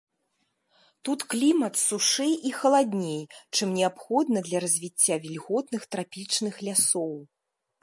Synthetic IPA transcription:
t̪ut̪klʲimɐt̪suʂɛjʔixɐlˠad̪ʲnʲejt͡ʂɨmnʲɛapxɔd̪̚nɐd̪lʲɐɾɐzʲvʲit͡sʲːavʲilʲɣɔt̪nɨxt̪ɾapʲit͡ʂnɨxlʲasɔw

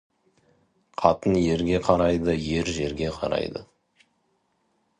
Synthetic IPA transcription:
qʰɑt̪ənje̞ɾɡʲe̞qʰɑɾɑjd̪əje̞ɾʒe̞ɾɡʲe̞qʰɑ̰ɾɑ̰jd̪ə̰

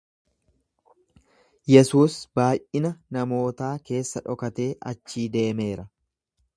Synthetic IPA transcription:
jɛsuːsbaːjʔʔɪnɐnɐmo̞ːt̪aːke̞ːsːɐᶑɔkɐt̪e̞ːʔɐ̰t͡ʃːiːd̪e̞ːme̞ːɾɐ

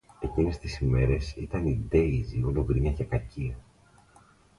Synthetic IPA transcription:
e̞cine̞st̪isime̞ɾe̞sit̪ɐnid̪e̞izioloɣɾiɲɐce̞kɐciɐ

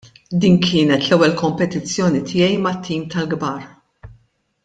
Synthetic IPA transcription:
d̪iːnkʰɪːnɛt̪lɛwːɛlkɔmpɛt̪ɪt͡sːjɔːnit̪ʰɪjɛjmɐt̪ːiːmt̪ɐlɡbɐːɾ

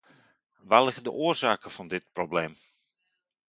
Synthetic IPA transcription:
ʋalɪɣədə̰ʔʊːərzaːkəfɑndɪt̚probleːm

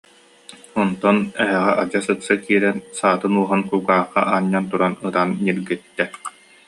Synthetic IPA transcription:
ɔnt̪ɔnɛɦɛʁɛʔad͡ʑasɯksakiːɾɛnsaːt̪ɯnuɔɦankuːɡaːχːa̰ʔaɲːant̪uɾanɯɾanːiɾɡit̪ːɛ

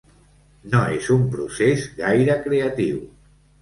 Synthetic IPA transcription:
noezumpɾusezɣajɾəkɾeət̪iw

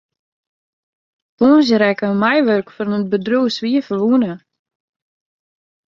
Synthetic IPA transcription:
tuːns̬əɾɛkəmajʋørkfɔrmət̚bədrusʋiəfəlʋuənə

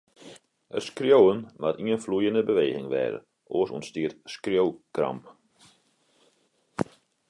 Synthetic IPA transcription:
ətskrjowənmatiənflujəndəbəʋeːɣɪŋʋɛ̰ːɾə̰ | ʔoəsṵnstiətskrjowkra̰mp

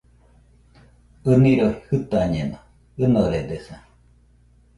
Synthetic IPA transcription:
ɯniɾoihɯt̪aɲeno | ɨnoɾed̪esa

